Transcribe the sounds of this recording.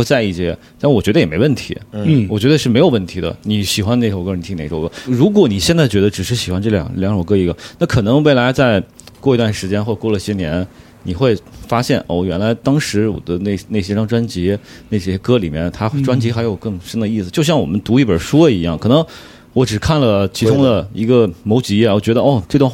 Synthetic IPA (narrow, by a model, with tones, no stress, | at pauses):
t͡sa˥˧ɪi˥˩t͡ɕjɛ˥˧˥wɔ˨˩t͡ɕɥɛ˧˥d̪ə˧jɛ˨˩me˧˥wə˥˩nt̪ʰḭ˧˥wɔ˨˩t͡ɕɥɛ˧˥d̪ə˧ʂɻ̩˥˩me˧˥jo˨˩ʊwə˥˩nt̪ʰi˧˥d̪ə̰˧ni˧˩ɕi˨˩xwa˥ne˥˩ɪʂkɤ˥ni˨˩t̪ʰi˥ne˥˩ʈ͡ʂo˨˩ʊkɤ˧˥ɻu˧˥k̬wɔ˧˥ni˨˩ɕjɛ˥˧nt͡sa˥˩ɪt͡ɕɥɛ˧˥d̪ə˧ʈ͡ʂɻ̩˨˩ʂɻ̩˥˩ɕi˨˩xwa˧˥nʈ͡ʂɤ˥˩ljɑ̰˨˩ŋljɑ˧˥ŋʂo˨˩kɤ˥˩i˧˥ɡə˧na˥˩kʰɤ˨˩nɤ˧˥ŋwe˥˩ɪla˧˥ɪt͡sa˥˧ɪ | kwɔ˥˩i˧˥t̪wa˥˩nʂɻ̩˧˥t͡ɕjɛ˥nxwɔ˥˩˨kwɔ˥˩lə˩i˥˩jɛ˥njɛ˧˥n | ni˨˩xwe˥˩ɪfa˥ɕjɛ˥˩nʔɔ̰˥˩ɥɛ˧˥nla˧˥ɪt̪ɑ˥ŋʂɻ̩˧˥wɔ̰˨˩d̪ə˦ne˥˩ɪne˥˩ɪɕjɛ˥ʈ͡ʂɑ˥˩ŋʈ͡ʂwa˥nt͡ɕi˧˥ | ne˥˩ɕɛ˥kɤ˥lḭ˨˩mjɛ˥˧˩nt̪ʰa˥ʈ͡ʂwa˥nt͡ɕi˧˥xa˧˥ɪjo˨˩ʊkɤ˥˩ŋʂə˥nd̪ə˧i˥˩sɹ̩˩t͡ɕjo˥˧ʊɕjɑ˥˩ŋwɔ̰˨˩mə˦nt̪u˧˥i˥˩pə˞˨˩ʂwɔ˥i˧˥jɑ˥˩ŋkʰɤ˨˩nɤ˧˥ŋ | wɔ˧˥ʈ͡ʂɻ̩˨˩kʰa˥˩nlə˩t͡ɕʰi˧˥ʊ˥ŋd̪ə˨i˧˥ɡə˧mo˧˥ʊt͡ɕi˧˥ɛ˥˩˥jt͡ɕɥɛ˧˥d̪ə˧ɔ˥˩ʈ͡ʂt̪w